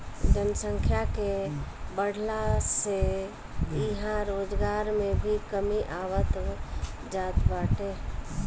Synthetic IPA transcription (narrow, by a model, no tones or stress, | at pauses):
d͡ʒənəsə̃ŋkʰjakebəɽ̤ʱlase | ɪɦãɾoːd͡ʒɡaːɾmẽbʱikəmiʔaːwət̪ | d͡ʒaːt̪baːʈe